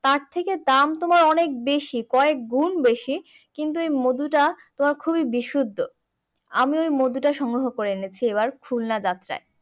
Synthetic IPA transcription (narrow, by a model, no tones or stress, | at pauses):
t̪aɾt̪ʰeked̪amt̪omaɾɔnek̚beʃikɔek̚ɡunbeʃi | kint̪̬uejmod̪uʈat̪omaɾkʰubibiʃud̪ʱːo | a̰miojmod̪uʈaʃɔŋɡɾoɦokoɾenet͡ɕʰieβaɾkʰulnad͡ʑat̪ːɾa̰e